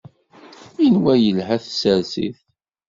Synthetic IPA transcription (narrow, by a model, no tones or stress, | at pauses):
inwæjəlhæθsəɾsḭθ